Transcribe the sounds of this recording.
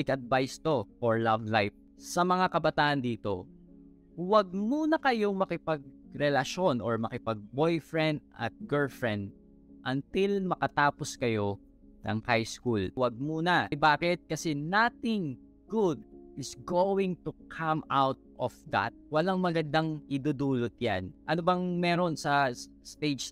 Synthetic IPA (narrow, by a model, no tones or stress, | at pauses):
ɪɡɐd̪̚vajst̪o̞ʔoɹlavlajf̚ | sɐmɐŋakɐbɐt̪aːʔɐnd̪iːt̪o̞̰ | wɐɡ̚muːnɐkɐjoŋmɐkɪpɐɡ̚ɾɛlɐʃo̞nɔɹmɐkɪpɐɡ̚bojfɹɛnd̪̚ʔɐ̰t̪̚ɡɛlfɹɛ̃nd̪̚ | ʔɐnt̪ɪlmɐkɐt̪aːposkɐjo̞ | nɐ̰ŋhajskulwɐɡ̚muːnɐbaːkɪt̪̚kɐsɛnat̪ɪŋ | ɡud̪̚ʔɪsɡowɪ̃ŋt̪ukʰamawt̪̚ʔɔfd̪ɐ̰t̪̚wɐlaŋmɐɡɐnd̪aŋɪd̪ud̪uːlot̪̚ja̰nʔɐnobɐŋmɛːɾo̞nsɐ | st̪ejd͡ʒ